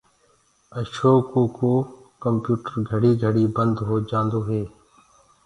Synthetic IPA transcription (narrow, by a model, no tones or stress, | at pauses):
əʃoːkoːkoː | kəmpjuːʈəɾɡʱəɽiːɡʱəɽiːbənd̪ɦoːd͡ʒãːnd̪oːɦeː